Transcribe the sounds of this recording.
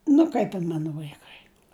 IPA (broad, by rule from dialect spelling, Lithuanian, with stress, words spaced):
nʊ ˈkɐɪp ɪn ˈmɑːnʊ ʋɐɪˈkɐɪ